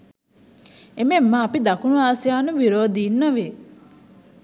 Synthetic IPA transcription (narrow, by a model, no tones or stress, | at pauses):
ememːãːpid̪ɐkunuaːsijaːnuʋiɾoːd̪iːnːɐʋeː